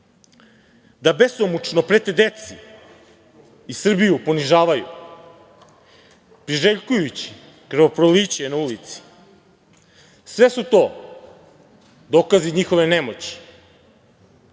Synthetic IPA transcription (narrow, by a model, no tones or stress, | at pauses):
d̪abesomut͡ʃnopɾet̪ed̪et̪si | isr̩bijupo̞niʒaːʋajṵ | pɾiʒeʎkujut͡ɕi̥ | kɾ̩ʋopɾoliːt͡ɕenaulit̪si̥ | sʋe̞sut̪o̞ː | d̪oːkaziɲixo̞ʋenemo̞t͡ɕi̥